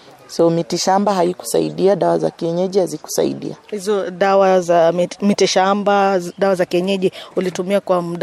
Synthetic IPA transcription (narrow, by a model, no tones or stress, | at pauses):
sɔmitiʃambaɦaiku̥sa̰iɗiaɗawaza̰kiɛɲɛʄihaziku̥sa̰ḭɗḭahizɔɗawazamitiʃambaɗawazakiɛɲɛʄihulitumiakwamuɗ